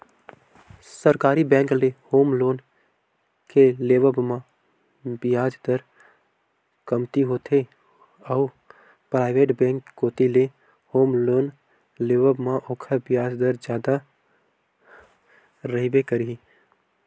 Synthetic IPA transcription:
səɾkaːɾibɛ̃ːŋklehoːmloːn | keleːʋəbmã | bɪjaːd͡ʒd̪əɾ | kəmt̪iɦoːt̪ʰe | ɔː | pɾaːɪʋeːʈbɛ̃ːŋkːoːt̪ile | hoːmloːn | leːʋəbmãʔoːkʰəbɪjaːd͡ʒd̪əɾd͡ʒjaːd̪a | ɾəɦibekəɾii

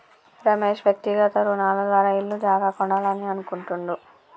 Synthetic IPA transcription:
ɾɐmeːʂʋjɐk̚t̪iɡɐt̪ɐɾunaːlɐd̪ʋaːɾaːilːud͡ʒaːɡaːkɔɳɖaːlɐniɐnukuɳʈuɳd̪u

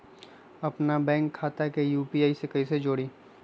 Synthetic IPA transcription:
ɐpnabɛ̃ːŋkʰːaːt̪akejuːpiːaːisekɐised͡ʒoːɽiː

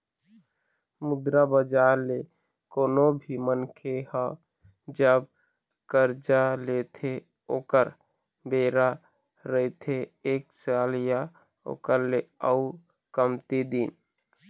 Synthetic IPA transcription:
mʊd̪ɾabəd͡ʒaːɾle | koːnobʱimənkʰehə̃ | d͡ʒəb̚ | kəɾd͡ʒalet̪ʰe | oːkəɾ | beːɾa | ɾəit̪ʰeeːk̚saːlija | o̰ːkəɾleəu | kəmt̪id̪in

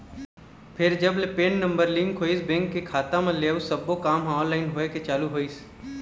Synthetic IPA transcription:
pʰɪɾd͡ʒəblepeːnnə̃mbəɾlĩŋɡʰoːisbẽːŋkːekʰaːt̪ãmẽleːusəbːokaːmɦɔ̃ːnlaːɪnɦoːeket͡ʃaːluɦoːis

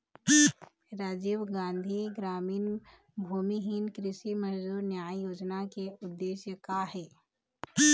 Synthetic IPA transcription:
ɾaːd͡ʒiːwɡãːnd̪ʱiɡɾaːmiːn | bʱuːmiɦɪnkɾɪʃimənd̪uːɾnjaːijoːd͡ʒnakeʊd̪ːeːʃjəkaɦɛː

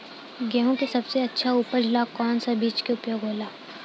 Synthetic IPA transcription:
ɡɛːɦõkesɐbseɐtːʃʰauːpəɾd͡ʒɪlakɔːnsabiːt͡ʃkeʊpjoːɡɦoːlaː

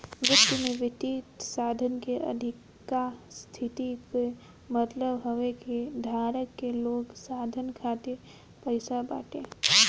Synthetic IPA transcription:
mɾʊt̪ːimẽʋɪt̪iːt̪saːd̪ʱənkeʔə̰d̪ʱɪkː | ast̪ʰɪt̪ike | mət̪ləbɦoʋekid̪ʱaːɾəkːeloːɡsaːd̪ʱənkʰaːt̪ɪɾ | pəɪsaba̰ːʈẽ

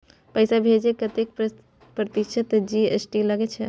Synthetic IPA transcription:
pəjsabʱed͡ʒekət̪ek̚p | pɾət̪ikʃʰət̪d͡ʒiesʈiləɡet͡ʃʰɛ

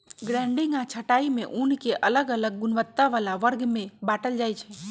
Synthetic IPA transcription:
ɡɾɛ̃ːɳɖɪ̃ŋɡãt͡ʃʰəʈaːimḛ̃ʔunkeʔələɡələɡ̚ːʊnʋət̪ːaʋaːlaʋəɾɡmẽbaːʈəld͡ʒaːjt͡ʃʰɛ

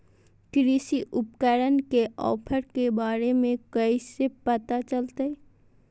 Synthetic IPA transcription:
kɾisiʔʊpkəɾənkeʔɔ̰ːpʰəɾkebaːɾemẽkəisepət̪at͡ʃəlt̪əɛ

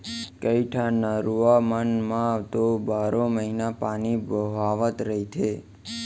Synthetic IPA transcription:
kəiʈʰanəɾuamənmãʋt̪obaɾoməɦinapanibəʋaʋət̪ɾəɦit͡ʃʰe

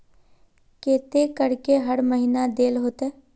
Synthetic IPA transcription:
keːt̪ekəɽkeɦəɽməɦinad̪eːlɦoːt̪eː

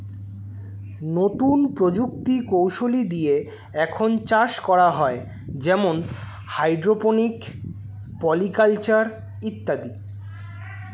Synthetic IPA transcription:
not̪unpɾod͡ʑuk̚t̪ikowʃolid̪ie | ɛkʰont͡ɕaʃkɔɾaɦɔe | d͡ʑɛmon | hajɖɾoponik | pɔlikalt͡ɕaɾ | it̪ːad̪i

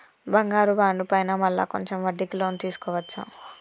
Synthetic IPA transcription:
bɐŋɡaːɾubaːɳɖupɐjnaːmɐlːa̰ːko̞ɲt͡ʃemʋɐɖːikiloːnt̪iːsu̥kɔːʋɐt͡ʃːɐ

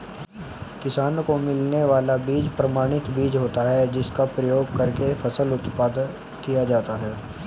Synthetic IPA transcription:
kɪsaːnkomɪlneʋaːlabiːd͡ʒpɾɐmaːɽ̃ɪt̪biːd͡ʒɦoːt̪aɦɛd͡ʒɪskapɾɐjoːɡ̚kɐɾkefɐsəlʊt̪paːd̪ | kijad͡ʒaːt̪aɦɛː

